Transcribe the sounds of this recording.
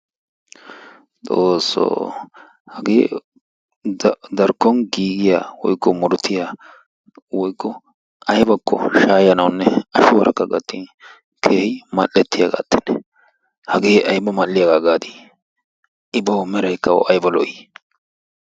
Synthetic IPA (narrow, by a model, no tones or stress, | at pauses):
t̪ʼoːsːo̰ː | hɐɡeː | d̪ɐɾkːɔnɡiːɡɪja̰ːwɔjkːɔmɔɾʊt̪ːɪja | wɔjkːɔ | ɐjbɐkːɔ̰ʃaːjɐnɐwnːɛɐʃʊwɐɾɐkːɐɡɐt̪ːiːn | kʰeːhɪmɐlːɛt̪ːɪjaɡa̰ːt̪ːɛ̥nːɛ | hɐɡeːʔɐjbɐmɐlːɪjaɡaɡaːd̪ɪ | ʔɪbɐwmɛɾɐjkːɐwɔ̰ʔɐjbɐlɔ̰ʔɪ